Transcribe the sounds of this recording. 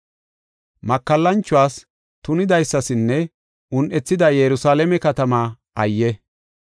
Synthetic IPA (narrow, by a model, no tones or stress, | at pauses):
mɐkːɐlːɐnt͡ʃːʊwaːs | t̪ʊnɪd̪ɐjsːɐsɪnːɛ | ʊnʔɛt͡sːɪd̪ɐjɛɾʊsaːlɛmɛkɐt̪ɐmaː | ʔɐjːɛ